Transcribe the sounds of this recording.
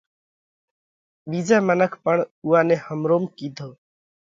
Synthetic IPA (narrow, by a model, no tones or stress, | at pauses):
bid͡ʒamənəkʰpəɳuanehəmɾoːmkid̪ʱoː